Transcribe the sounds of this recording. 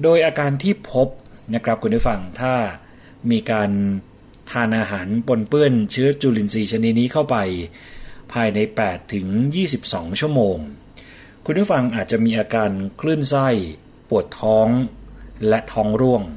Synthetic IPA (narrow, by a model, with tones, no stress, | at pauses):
doː˧jʔaː˧kaː˧nt̪ʰiː˥˩pʰo˦˥p̚na˦˥kʰɾa˦˥p̚kʰu˧npʰuː˦˥˩fa˧ŋt̪ʰaː˥˩ | miː˧kaː˧n | t̪ʰaː˧nʔaː˧ɦaː˩˦npo˧npɯ˥˩ənt͡ɕʰɯ˦˥ɐt͡ɕuː˧li˧nsiː˧˩t͡ɕʰa˧ni˦˥t̪̚niː˦˥kʰa˥˩wpa˧j | pʰaː˧jna˧jpɛː˨˩t̪ʰːɯ˩˦ŋjiː˥˩si˨˩p̚sɔː˩˦ŋt͡ɕʰu˥˩əmoː˧ŋ | kʰu˧npʰu˥˩fa˧ŋʔaː˨˩t̪̚t͡ɕa˨˩ʔmiː˧ʔaː˧kaː˧nkʰlɯ˥˩ənsa˥˩j | pu˨˩ət̪ʰːɔː˦˥ŋlɛ˦˥t̪ʰɔː˦˥ŋɾu˥˩əŋ